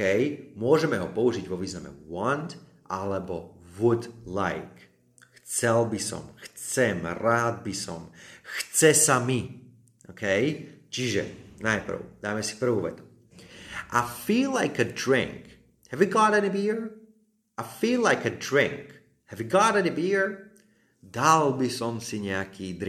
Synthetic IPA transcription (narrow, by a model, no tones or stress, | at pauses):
ɛjmʊɔʒɛmɛɦɔpɔuʒiɟʋɔʋiːznamɛ̰wɔnd̪ | ʔa̰lɛbɔʋud̪la̰ɪk | xt͡sɛlbisɔ̰mxt͡sɛmɾaːd̪̚bisɔ̰mxt͡sɛsami | ʔɔkʰɛjt͡ʃiʒɛ̰najpr̩̰ʊd̪̥aːmɛsi̥pr̩ʋuːʋɛ̰t̪u̥ | ʔafiːlaɪkədɹɪ̰̃ŋk | hɛviɡɑɾɛnibiɹ | ʔafiːlaɪkədɹɪ̰̃ŋk | hɛviɡɑɾɛnibiɹ | d̪albisɔmsiɲɛakʰiːd̪